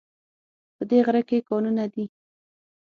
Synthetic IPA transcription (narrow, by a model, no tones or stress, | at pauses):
pəd̪eɣɾəkekɑnunad̪i